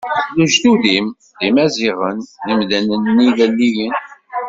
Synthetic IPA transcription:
luʒd̪uðim | ðimæziʁənðimðænənːiðælːijən

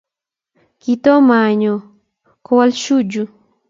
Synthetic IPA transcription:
kit̪omaɲo | kowalʃud͡ʒu

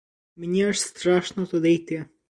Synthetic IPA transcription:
məɲiəʃst̪ɾaʃnɔt̪ɔd̪ɛjt̪jɛ

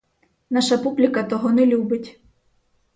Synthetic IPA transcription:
nɑʃɐpublʲikɐt̪ɔɦɔnɛlʲubɪtʲ

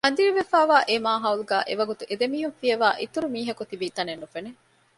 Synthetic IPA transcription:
ɐnd̪iɾiʋefæːʋaːʔemaːɦɐuluɡæːʔeʋɐɡut̪uʔed̪emiːɦunfieʋaːʔit̪uɾumiːɦɐkut̪ibiːt̪ɐnenːufene

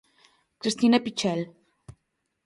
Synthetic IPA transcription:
kɾist̪inapit͡ʃɛl

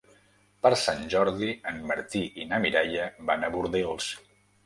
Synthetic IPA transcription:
pəɾsanʲʒɔɾðiənməɾt̪iʔinəmiɾajəbanəβuɾðilˠs

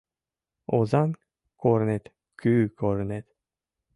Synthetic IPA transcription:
ozɑn | koɾnet̪ | kʰyːkʰoɾnet̪

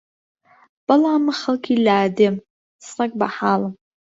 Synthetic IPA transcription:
b̥alaːmɨχəlkʰʲilaːdem | srakʼbaħalam

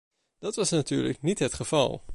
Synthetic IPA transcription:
d̥ɑtʋɑsnaty̰ːɹləknitɦətχəv̥ɑ̰lˠ

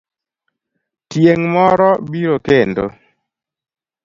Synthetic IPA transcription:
tjeŋmɔɾɔbiɾokendo̰

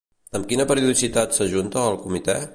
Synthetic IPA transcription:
əmkinəpəɾiuðisit̪at̪səʒunt̪əːlˠkumit̪ɛ

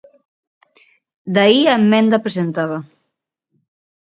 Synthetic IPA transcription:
d̪aiamːɛnd̪apɾezent̪aβa

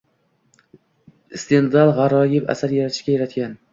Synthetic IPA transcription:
st̪end̪alˠʁɑɾɒjɪpa̰saɾjaɾat̪ʰɪ̥ʃkʲajaɾat̪kʲan

